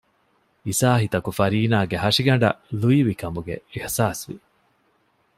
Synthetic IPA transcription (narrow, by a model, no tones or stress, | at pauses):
isaːɦit̪ɐkufɐɾiːnaːɡeɦɐʂiɡɐɳ̆ɖɐ̰luiʋikɐmuɡḛihsaːsʋḭ